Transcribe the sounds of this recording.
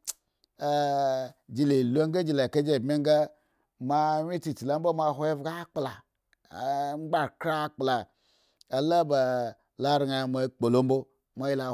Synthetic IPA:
a˨ | d͡ʒi˧le˨lo˦ŋɡa˦d͡ʒi˧la˨ke˦d͡ʒe˦˨bme˦ŋ˦ɡa˦ | ma˧ɲi˦t͡ʃi˦˨t͡ʃi˨la˨˦m̩˦bo˦ma˧˨ɦʷo˦je˦vɡa˦k͡pla˨˦ | ŋ͡mɡ͡ba˦˨kɾa˦k͡pla˨ | a˨la˦ba˨ | la˨ɾi˨ŋa˨ma˧˦k͡po˨lo˦m̩bo˦ | ma˦ji˦la˨

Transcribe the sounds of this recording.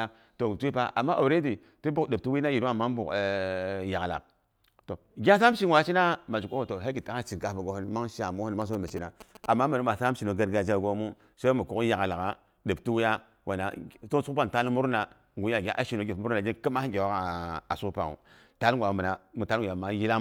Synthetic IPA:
to˨tu˦i˦pa˦ʔa˨mːa˦ʔo˨ɾe˦di˨ | ti˦bu˦kɗe˨p̚tu˦wi˦na˦ji˨ɾu˦a˨ma˦n˦bṵ˨kja˨ɡla̰˨k | to˨ɡʲa˦sa˦ʃi˦˨wa˨˦t͡ʃi˦na˦ma˨d͡ʒu˨ko˦o˨to˨ɦe˦ki˨ta˦a˦t͡ʃi˨ka˨˦ba˨ɡo˨˦hu˦nma˦ŋʃa˨mu˦u˦nma˦ŋ˦so˦ma˨t͡ʃi˦na˨a˨mːa˦ma˨nu˦ma˨sa˦ʃi˨no˨ɡa˦ɾɡa˦d͡ʒa˦ɡo˦mu˦ | so˦i˦mu˨ku˦kja˨ɡa˨la˨ɡa˨ | ɗə˨b̚tu˦wi˦ja˦ | wa˨na˨to˦su˦pa˦˨ta˦lmu˦ɾna˨ | ŋɡu˨˦a˨ɡʲa̰˦ʔa˦ʃi˨no˨˦ɡʲi˨mu˦ɾna˨d͡ʒi˦kə˦ma˦ɡʲe˨wa˦ka˨a˨su˦kpa̰˨ŋṵ˨ | ta˦lɡʷa˨˦mə˨na˨mu˨ta˦˨ja˨ma˦ji˦la˦

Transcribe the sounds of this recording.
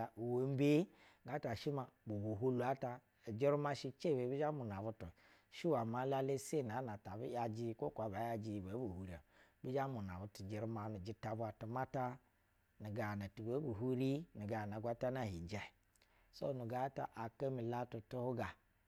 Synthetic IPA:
we˦m˦be˦ | ɡa˨˦ta˨ʃi˦ma˨bu˨bu˨ɦu˦lu˨a˦ta˧˨ | d͡ʒi˦ɾu˦ma˦˧ʃi˧t͡ʃe˦˨be˨˦bi˦d͡ʒa˦mu˨n˨a˨bu˦tu˨ | ʃi˦wa˨ma˨˦la˦le˦se˦˨n˨a˨˦na˨ta˨bḭ˦ja˨d͡ʒi˦ko˦kʷa˨ba˨˦ja˨d͡ʒi˨be˨˦bu˨hu˨ɾi˦a˨bi˦d͡ʒa˦mu˨n˨a˨bu˨tu˨d͡ʒi˨ɾu˦ma˨nu˨d͡ʒi˦ta˨bu˦a˨tu˨ma˦ta˦ | ni˨ɡa˨na˨tu˨be˨˦bu˨ɦu˦ɾi˦nu˨ɡa˨na˨ɡʷa˦ta˦na˦˨hi˨d͡ʒa˨˦˨ | so̰˦˨nu˨ɡa˨˦ta̰˨ʔa˨ka˦mi˨la˦tu˨tu˦hu˦ɡa˨

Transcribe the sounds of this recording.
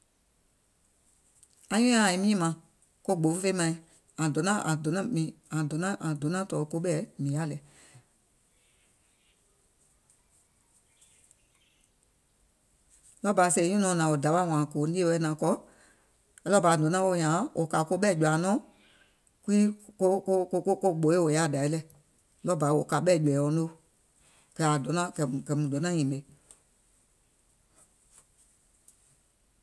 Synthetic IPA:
ã˧ɲũ˦ã˨ĩ˨˧mĩː˦mã˧˨ | ko˦ɡ͡bo˨˦ffe˦mã˧ĩ˧ | ã˨dɔ̃˨˦nã˦ʔã˨do˨˦ã˦mĩ˨ã˨dõ˨˦nã˦ʔã˨dõ˨˦nã˦tɔː˨ko˦ɓɛː˦mĩ˨a˦lɛ˨˦ | lɔ˦ba˨se˧ĩ˦ũ˦nɔ̃˨˦nã˨wo˨da˨wa˦˨w̃ã˨koː˨˦ni˦e˦wɛ˧˦nã˨kɔ˧˦˧ | lɔ˦ba˨˦˨dɔ̃˨˦nã˦wo˧˨ɲã˨˦wʔo˨ka˨˦ko˧˦ɓɛː˦˨d͡ʒu˨a˨nɔ̃ː˦ | ku˦i˦ko˦ko˧˦ko˧ko˦ko˦˨ɡ͡bo˨˦e˦wo˨ja˦˨da˨i˦lɛ˧˦ | lɔ˦ba˨i˦wo˨ka˨˦ɓɛː˦˨d͡ʒu˨ɛ˨ɔ̃˨˦no˦ | kɛ˧˨a˨dɔ˨˦nã˦kɛ˨kɛ˨mũ˨dɔ˨˦nã˦ɲĩ˨ɓe˨˦

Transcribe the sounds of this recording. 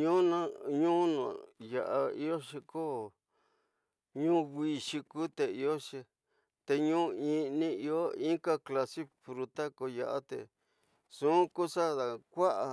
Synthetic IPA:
ɲũ˦nã˦ɲũ˦nṵ̃˨ja˧˨ʔa˧ḭ˦jo˦ʃi˧ko˦ | ɲũ˦ɡi˧ʃi˧ku˦t̪e˧i˧o˦ʂĩ˧ | t̪e˧ɲũː˦ĩ˧nĩ˧i˧o˦ĩ˦ka˦kla˧si˦fɾu˧t̪a˦ko˧ja˧ʔa˦t̪e˧ | sũ˦ku˦sa˦ða˨kʷa˦ʔa˧

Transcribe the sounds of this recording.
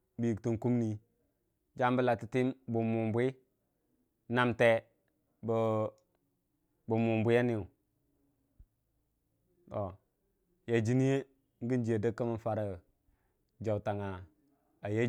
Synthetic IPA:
bi˨i˨ktu˨ŋku˦mni˨ | d͡ʒa˦mbə˦la˨ti˨ti˦mbu˨mu˨mbʷi˦ | na˨mte˦ | bə˨ | bu˨mu˨mbu˦ja˦ni˦˨u˨ | to˨ | ja˨d͡ʒi˦ni˦je˦ | ŋ˦ɡi˦nd͡ʒi˨e˨də˦kːə˦mə˦nfa˦ɾa˨ | d͡ʒa˨wta˨ŋa˨ | a˨je˦

